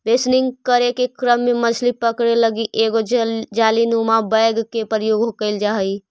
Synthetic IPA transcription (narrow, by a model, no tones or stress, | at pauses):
besniŋɡkəɾekekɾəmːemət͡ʃʰlipəkɽeləɡiʔeɡod͡ʒalinumabəjɡkepəɾjoɡɦokəɪld͡ʒaɦəi